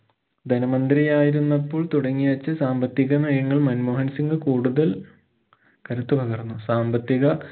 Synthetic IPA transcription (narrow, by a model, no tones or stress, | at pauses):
d̪ʱɐnɐmɐnd̪ɾijaːjiɾunːɐpːoːɭt̪uɽɐŋːiʋɐt͡ɕːɨsaːmbɐt̪ːiɣɐmɐjɐŋːɐɭmɐnmoːɦɐnsiŋɡɨkuːɽuðɐl | kɐɾɐt̪ːupɐɣɐrnːusaːmbɐt̪ːiɣɐ